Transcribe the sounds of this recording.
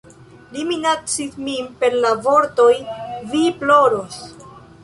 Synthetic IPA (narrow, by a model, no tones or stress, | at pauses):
liminat͡sitmimpe̞ɾlavo̞ɾto̞jviplo̞ɾo̞s